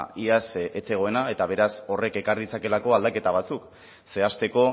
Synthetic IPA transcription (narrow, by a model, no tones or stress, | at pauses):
iaset͡se̞ɣ̞o̞e̞nae̞t̪aβ̞e̞ɾaso̞re̞ke̞kaɾðit͡sake̞lako̞ald̪ake̞t̪aβ̞at͡suk | se̞ast̪e̞ko̞